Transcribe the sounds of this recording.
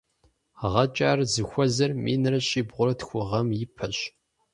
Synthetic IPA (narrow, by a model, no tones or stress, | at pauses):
ʁɐt͡ʃʼaːrzɨxʷɔzɐrmḭːnɨrɐɕʼiːbʁʷʊɾɐtxʷʊʁɐmjɪpʰɐɕ